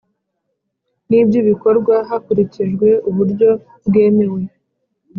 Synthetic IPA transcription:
nibjuβiko̞ɾɡwaɦakuɾiciʒɡwe̞uβuɾɟo̞ | bɡe̞ːme̞we̞

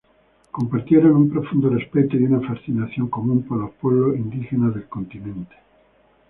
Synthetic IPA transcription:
ko̞mpaɾt̪jeɾonumpɾofund̪orespet̪oiunafasθinaθjoŋkomũmpalopweβloind̪ixenaðelkont̪inẽnt̪e̥

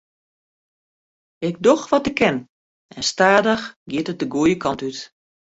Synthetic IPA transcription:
ɪk̚doxʋɔtɪkʰːɛn | ɛnstaːdəxɡjɪtət̚dəɡuəjəkʰɑntyt

